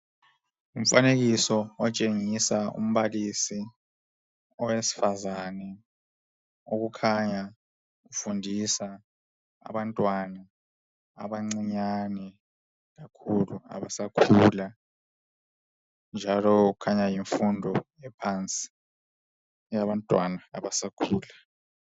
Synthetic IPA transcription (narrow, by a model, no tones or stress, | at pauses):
um̩faneɣisɔɔt͡ʃʼeŋisaṵm̩βalisi | ɔwesi̥fazanɛ | oɣukʰaɲa | ɣufundʱisa | a̰βantʼwana | a̰βaŋ͡ǀiɲanɛ | ɣakʰulua̰βasakʰuːla | nd͡ʒʱalɔɣukʰaɲajiɱfundʱɔ | ɛpʰant͡sʼi̥ | jaβantʼwanaa̰βasakʰuːla